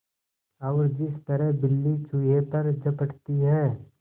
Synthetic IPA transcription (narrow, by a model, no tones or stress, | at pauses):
ɐːɾd͡ʒɪst̪əɾɛɦbɪlːit͡ʃʰujepɐɾd͡ʒɐpəʈt̪iɦɛː